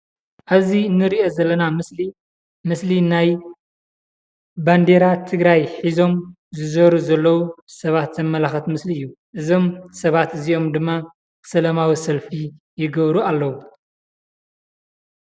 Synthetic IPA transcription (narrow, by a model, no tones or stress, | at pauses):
ʔaβzinːɨɾiʔo̞zɐlːɐnamɨsli | mɨslinaj | band̪eɾat̪ʰɨɡɾajħizo̞m | zɨzɐɾuzɐlːɐwusɐβat̪zɐmːɐlaxɐt̪mɨsliɨjːu | ʔɨzo̞msɐβat̪ɨziʔo̞md̪ɨmːa | sɐlɐmawisɐlfi | jɪɡɐβɾualːɐwu